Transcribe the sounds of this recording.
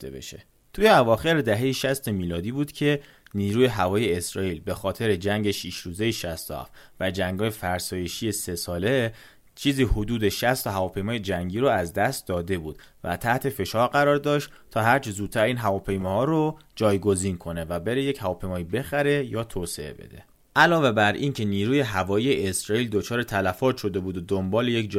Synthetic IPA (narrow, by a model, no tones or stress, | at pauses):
t̪ḛbḛʃḛ | t̪ʰuːjeævɒːxe̞ɾed̪æɦe̞jiʃæst̪e̞miːlɒːd̪iːbuːd̪̥cʰe̞ | niːɾuːje̞ɦævɒːje̞ːsɾɒːiːlbe̞xɒːt̪ʰe̞ɾe̞d͡ʒæŋɟe̞ʃiʃɾuːze̞jeʃæst̪o̰hæ̰ft̪væd͡ʒæŋɡɒːjefæɾsɒːje̞ʃije̞se̞sɒːle | t͡ʃʰiːziːhod̪uːd̪eʃæst̪ʰohævɒːpʰe̞jmɒːjed͡ʒæŋɟiːɾoæzd̪æst̪̚d̪ɒːd̪e̞buːd̪̥ | væ̰t̪ʰæht̪ʰe̞fe̞ʃɒːɾɢæɾɒːɾd̪ɒːʃt̪ | t̪ʰɒːɦæɾt͡ʃʰezuːt̪̚t̪ʰːæɾiːnɦævɒːpʰe̞jmɒːhɒːɾod͡ʒɒːjɡo̞ziːnkʰo̞ne̞væbe̞ɾe̞jechævɒːpʰe̞jmɒːiːbe̞xæɾe̞jɒːt̪ʰoːse̞̰ḛbḛd̪̥e̞̰ | ʔælɒːve̞bæɾʔincʰe̞niːɾuːje̞ɦævɒːjijeʔesɾɒːiːld̪o̞t͡ʃʰɒːɾet̪ʰælæfɒːt̪ʃo̞d̪e̞buːd̪od̪ombɒːle̞je̞kd͡ʒ